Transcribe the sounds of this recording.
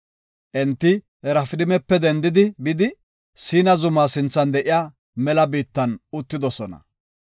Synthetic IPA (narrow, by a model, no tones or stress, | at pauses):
ʔɛnt̪ːɪ | ɛɾɐfɪd̪ɪmɛpːɛd̪ɛnd̪ɪd̪ɪbɪd̪ɪ | siːnɐzʊmaːsɪnt͡sːɐnd̪ɛʔɪjaː | mɛlɐbiːt̪ːɐnʊt̪ːɪd̪ɔsɔnɐ̰